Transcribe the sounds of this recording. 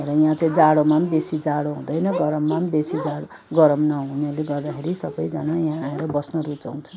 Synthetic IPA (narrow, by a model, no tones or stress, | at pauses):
eɾʌjãt͡saĩd͡zaɽomambesid͡zaɽoɦũd̪ʌjnʌɡʌɾʌmːambesid͡zaɽo | ɡʌɾʌmnʌɦũnʌleɡʌrd̪akʰeɾisʌbʌjd͡zʌnajãeɾʌbʌsnʌɾut͡sa̰w̃t͡sʰʌ